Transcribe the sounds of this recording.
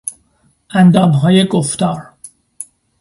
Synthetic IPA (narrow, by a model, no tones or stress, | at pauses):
ʔænd̪ɒːmɦɒːjeɡoft̪ɒːɾ